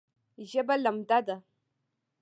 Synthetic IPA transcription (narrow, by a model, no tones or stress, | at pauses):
ʒebalamdada